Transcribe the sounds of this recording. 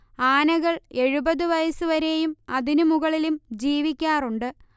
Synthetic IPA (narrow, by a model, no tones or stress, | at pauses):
aːnɐɣɐɭe̞ɻubɐðɨʋɐjɐsɨʋɐɾe̞jumɐðinumuɣɐɭilumd͡ʑiːʋikʲːaːruɳɖɨ